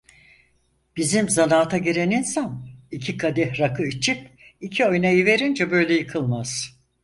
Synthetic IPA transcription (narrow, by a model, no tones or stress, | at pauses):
b̥izimzanaːt̪ʰaɟeɾeninsanicʰikʰad̪ɛhɾakʰɯit͡ʃʰip̚icʰio̞jnajive̞ɾind͡ʒɛbø̞jlʲejɯkʰɯlˠmaz̥